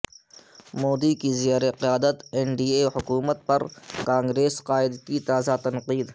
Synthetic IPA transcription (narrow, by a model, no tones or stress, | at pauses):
moːd̪ikizjaːɾeqɪjaːd̪ət̪ɛɳɖiːehʊkuːmət̪̚pɐɾkãːŋɡɾeːsqaːɪd̪kit̪aːzat̪ɐnqiːd̪